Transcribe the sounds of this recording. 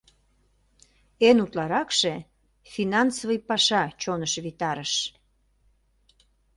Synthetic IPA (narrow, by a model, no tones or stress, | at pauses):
enut̪lɑɾɑkʃe | finɑnsovəjpɑʃɑt͡ɕonəʃβit̪ɑɾəʃ